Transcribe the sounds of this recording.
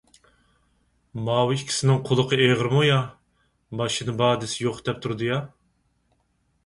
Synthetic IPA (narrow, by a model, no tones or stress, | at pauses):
mɑːwɨikʲʰi̥sɪnɪŋqʰʊlˠəqʰəeʁəɾmujɑ | bɑʃɨnɨbɑːd̪ɪsɪjoqd̪ɛp̚t̪ʰuɾd̪ɨjɑ